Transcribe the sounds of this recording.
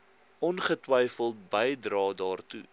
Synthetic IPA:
ʔɔnχətwɐjfəlˠtbəjdrɑːdɑːrtṵ

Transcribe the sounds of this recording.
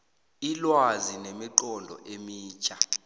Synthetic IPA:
ilwazinemiǃɔndʱɔ̰ʔemiːt͡ʃʰʼa

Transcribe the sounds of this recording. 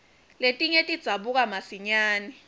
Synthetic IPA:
letʼiɲetʼid̥z̥ʱaɓuk̬ʼamasiɲaːni

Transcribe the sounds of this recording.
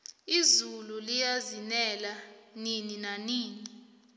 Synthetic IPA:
izululijazinɛlanininaniːni

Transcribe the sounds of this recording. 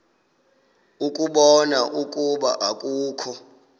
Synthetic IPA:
ukʼuɓɔnaʔukʼuɓa̰ʔakʼuːkʰɔ

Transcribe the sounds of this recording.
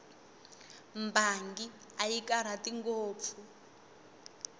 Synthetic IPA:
mbaŋɡi | ajikaɾ̤atiŋɡoːp̪fʰu

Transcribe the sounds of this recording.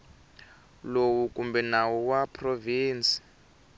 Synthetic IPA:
lowukumbɛnawuwapʰroviːnt͡si̥

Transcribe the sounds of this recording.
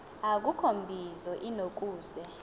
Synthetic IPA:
ak̬ukʰombʱizɔʔinok̬ʼuːzɛ

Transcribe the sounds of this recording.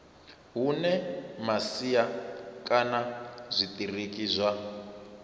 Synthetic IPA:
ɦunɛmasijakʼanazʷit̪ʼirikʼizʷwa

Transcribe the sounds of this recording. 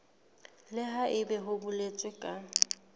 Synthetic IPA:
lɪɦaʔɪbɛɦʊbʊlet͡sʼɪkʼa

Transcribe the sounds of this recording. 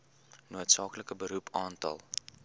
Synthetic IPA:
nuətsɑːkləkəbəɾupʰɑːntɐ̰lˠ

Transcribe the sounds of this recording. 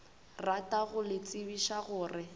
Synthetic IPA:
ratʼaɣʊlɪt͡sʼɪbiʃaɣʊːrɪ

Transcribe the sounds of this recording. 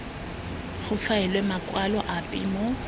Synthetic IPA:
χʊfaɛlwɛmakʼwalɔʔapʼḭmɔ

